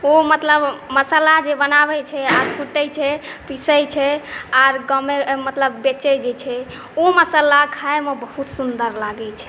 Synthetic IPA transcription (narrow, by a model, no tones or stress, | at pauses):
omət̪ləbməsəlad͡ʒebənaβɛt͡ʃʰɛaɾpʰuʈəjt͡ʃʰɛpisəjt͡ʃʰɛaɾɡəmemət̪ləbːet͡ʃəd͡ʒet͡ʃʰɛ | oməsəlakʰaemebəhut̪sund̪əɾlaɡɛt͡ʃʰɛ̥